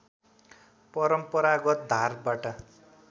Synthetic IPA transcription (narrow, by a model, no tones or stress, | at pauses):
pʌɾʌmpʌɾaɡʌt̪̚d̪ʱarbaʈʌ